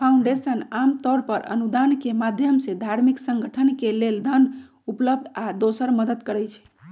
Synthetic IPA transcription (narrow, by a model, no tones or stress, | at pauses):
pʰaũɳɖesənamt̪ɔɾpəɾə̰nud̪ankemad̪ʱjəmsed̪ʱaɾmiksəŋɡəʈʰənkeleld̪ʱən | upləb̚d̪ʱad̪osəɾməd̪əd̪kəɾət͡ʃʰɛ̥